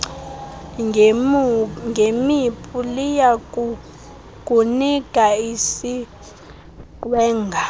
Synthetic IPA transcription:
ŋɡʱemipʼulija | kʼuniɡ̥ʱʼaisi | ǃwɛːŋɡʱa

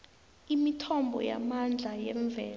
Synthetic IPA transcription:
imitʰɔmbʱɔ̰ja̰mand͡ɮʱajɛɱvʱɛːl

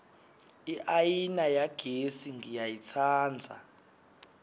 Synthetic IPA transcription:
iʔajinajaɡ̥ʱesiŋɡijajit͡sʰaːnd͡zʱa̰

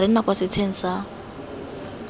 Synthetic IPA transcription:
ɾɪn̩nakwasɪt͡sʰen̩sa

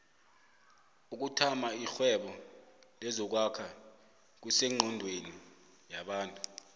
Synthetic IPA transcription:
uk̬utʰamaixwɛɓɔlɛzɔk̬wakʰa | k̬usɛŋ͡ǃʱɔndʱweni | jaɓaːntʼu

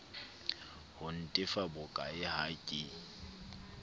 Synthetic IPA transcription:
hʊn̩tʼɪfabʊkʼaɪhakʼɪ

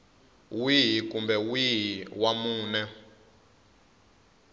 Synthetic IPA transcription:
wiɦikumbɛwiɦiwamuːnɛ

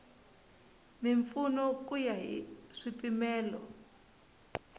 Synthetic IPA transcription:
miɱfunɔkujaɦḭʂipimɛːlɔ

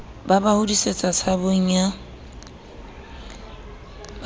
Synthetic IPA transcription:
babahʊdiset͡sʼat͡sʰaboŋ̩a | b

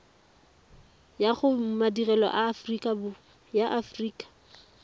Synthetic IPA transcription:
jaχʊmadirɛlɔ̰ʔafrikʼab | jaʔafriːkʼḁ

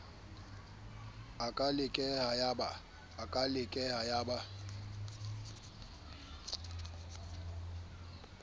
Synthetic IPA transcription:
akʼalɪkʼɛhajaba | akʼalɪkʼɛhajaba

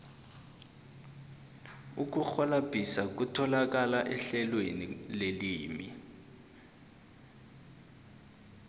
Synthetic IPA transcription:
uk̬uxɔlab̥ʱisak̬utʰɔlak̬alaʔɛɬɛlwenileliːmḭ

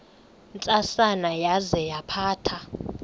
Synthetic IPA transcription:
nt͡sʼasanajazɛjapʰaːtʰa

